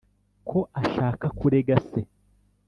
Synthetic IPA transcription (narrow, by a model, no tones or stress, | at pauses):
kʰo̞ʔaʃaːkakuɾe̞ɡase